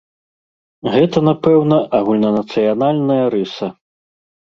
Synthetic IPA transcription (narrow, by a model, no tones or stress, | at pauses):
ɣɛt̪ɐnapɛwnɐʔaɣulʲnɐnɐt̪sɨjanalʲnɐjɐɾɨsɐ